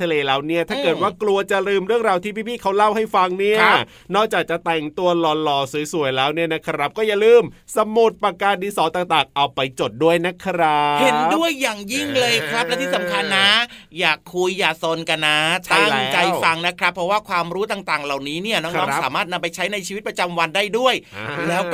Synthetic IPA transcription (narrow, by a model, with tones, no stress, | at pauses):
a˧leː˧˩lɛː˦˥wni˦˥˩ɐt̪ʰaː˥˩kɤː˨˩t̪̚waː˥˩klu˧ɐt͡ɕa˨˩ɾɯː˧˩mɾɯ˥˩əŋɾaː˧wt̪ʰiː˥˩pʰiː˥˩pʰiː˥˩kʰa˦˥wla˥˩wha˥˩jfa˧ŋni˥˩ɐ | nɔː˥˩k̚t͡ɕaː˨˩k̚t͡ɕa˨˩t̪ɛ˨˩ŋt̪u˧ɐlɔː˧lɔː˧˩su˩˦jsu˨˩˦əjlɛː˦˥wni˥˩ɐna˦˥kʰa˧˥ɾa˦˥p̚kɔː˥˩ja˨˩lɯː˥˩msa˧mu˨˩t̪̚pa˧kaː˧ndiː˧sɔː˨˦nt̪aː˨˩ŋt̪aː˨˩ŋʔa˧wpa˧jt͡ɕo˨˩t̪̚du˥˩əjna˦˥kʰɾa˦˥he˩˦ndu˥˩əjːaː˨˩ŋji˥˩ŋlɤː˧jkʰɾa˦˥p̚lɛ˦˥t̪ʰiː˥˩sa˩˦mkʰa˧nːa˦˥jaː˨˩kʰːu˧jːaː˨˩so˧nka˧nːa˦˥t̪ʰa˥˩˥ŋ˦t͡ɕa˧jffa˧ŋna˦˥kʰɾa˦˥pʰːɾɔ˦˥waː˥˩kʰwaː˧mɾuː˦˥t̪aː˨˩ŋt̪aː˨˩ŋla˨˩wniː˦˥ni˥˩ɐnɔː˦˥ɔː˧˥ŋ˨saː˩˦maː˥˩t̪̚na˧mpa˧jt͡ɕʰa˦˥jna˧jt͡ɕʰi˧i˦t̪̚pɾa˧t͡ɕa˧mwa˧ndaː˥˩jdu˥˩əjlɛː˦˥w